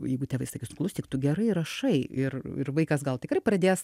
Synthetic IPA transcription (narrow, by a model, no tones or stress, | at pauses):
jɛɪɡʊtʲɛʋɐɪsɐkʲiːsnʊklˠʊst̪ʲiːkt̪ʊɡʲɛɾɐɪɾɐʃɐɪɪrɪ̰rʋɐɪkɐsɡɐlˠt̪ʲɪkɾɐɪprɐd̪ʲeːs